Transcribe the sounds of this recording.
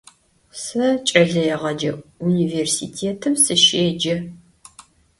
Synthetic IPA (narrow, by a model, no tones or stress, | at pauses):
sɐt͡ʃʼɐɮɐjɛʁɐd͡ʒɐuniveːrsḭtʰeːtʰɨmsɨʃeːd͡ʒɐ